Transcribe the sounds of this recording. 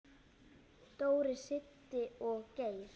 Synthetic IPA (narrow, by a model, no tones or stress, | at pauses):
t̪oːwɾɪsɪt̪ːɪɔɣceːjɾ̥